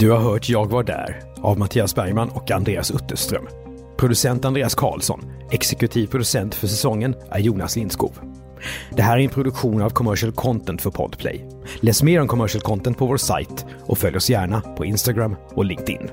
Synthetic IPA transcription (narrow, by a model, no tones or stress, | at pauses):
d̪̥ɵhaɾɦœːʈʰjɑːɡvaɖæ̰ːɾ | avmat̪ʰiːasbæɾjmanːɔkand̪ɾeːasɵt̪ːəʂt̪ɾœ̰m | pʰɾʊd̪ɵsɛnt̪and̪ɾeːaskʰɑ̰ːlsɔ̰n | ɛksɛkɵt̪ʰiːvpʰɾʊd̪ɵsɛnt̪fœʂɛsɔŋːənʔæ̰ɾjuːnaslɪnskṵːv | d̪ɛɦæːɾæɾɛnpʰɾʊd̪ɵkɧuːnavkʰɔmœʂəlkʰɔnt̪ʰɛnt̪fœɾpʰɔ̰d̪pʰlɛ̰j | lɛːsmeːɾɔmkʰɔmœʂəlkʰɔnt̪ɛnt̪pʰɔvoːsa̰jt̪ | ʔɔfœljɔsjæːɳapʰɔɪnst̪aɡɾamː | ɔlɪŋk̚t̪ɪ̰nː